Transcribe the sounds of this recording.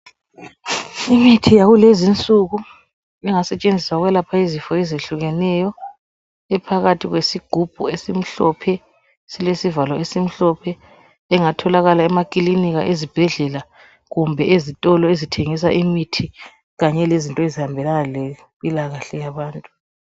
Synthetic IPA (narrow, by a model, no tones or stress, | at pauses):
imitʰijaɣulezint͡sʼuɣu | ɛŋasɛt͡ʃʼend͡zʱiswaɣwɛlapʰaizifɔɛzeɬuɣɛnɛjɔ | ɛpʰaɣatʰiɣwesiɡ̥ʱub̥ʱuesim̩ɬɔpʰɛ | silesivalɔesim̩ɬɔpʰɛ | ɛŋatʰɔlaɣalaɛmakʼiliniɣa̰ʔezib̥ʱɛɮɛla | ɣumbʱɛezitʼɔlɔezitʰeŋis̬aʔimitʰi | ɣaɲɛlezintʼɔezihambʱɛlanale | pʼilaɣaɬɛjaβaːntʼu